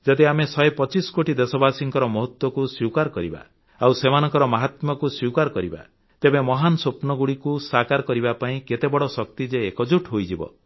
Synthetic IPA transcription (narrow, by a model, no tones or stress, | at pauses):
d͡ʒɔd̪iamesɔepɔt͡ʃiskoʈid̪esɔbasiŋkɔɾɔmɔɦɔt̪wɔkuswiwkaɾkɔɾiba̰ | awsemanɔ̃ŋkɔɾɔmaɦat̪mɔkuswiwkaɾkɔɾiba̰ | t̪ebemɔɦanɔsopnɔɡuɽikusakaɾkɔɾibapaĩket̪ebɔɽɔsɔk̚t̪id͡ʒeːkɔd͡ʒuʈʰɦojd͡ʒibɔ̰